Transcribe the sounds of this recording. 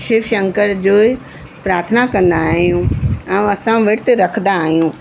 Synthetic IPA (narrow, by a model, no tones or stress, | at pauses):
ʃɪʋʃɐ̃ŋkəɾd͡ʑoːi | pɾaːɾt̪ʰnakɐ̃nd̪aːɦijũãɐsãʋeʈt̪eɾɐkʰnd̪aːɦijũː